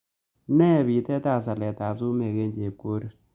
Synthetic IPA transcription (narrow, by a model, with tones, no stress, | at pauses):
nɛ˦˨βi˨tɛ˦ta˦˨sa˨lɛ˨ta˨bsu˦me˨ɣe˦nd͡ʒe˨ko˦ɾi˦